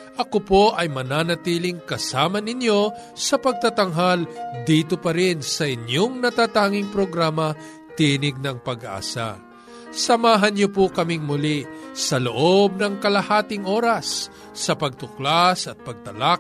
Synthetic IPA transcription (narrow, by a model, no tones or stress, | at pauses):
ʔɐkopoʔɐjmɐnaːnɐt̪iːlɪŋkɐsaːmɐnɪnjo̞ | sɐpɐɡ̚t̪at̪ɐŋɦald̪iːt̪opɐɾɪnsɐʔɪnjoŋnɐt̪aːt̪aːŋɪŋpɾoɡɾaːmɐ | t̪iːnɪɡ̚nɐŋpɐɡʔa̰ːsa̰ | sɐmaːɦɐnɲopʊkɐmɪŋmʊlisɐloʔob̚nɐŋkɐlɐhaːt̪ɪŋʔo̞ːɾɐsː | ɐpɐɡ̚t̪ʊklasɐt̪̚pɐɡ̚t̪ɐlak̚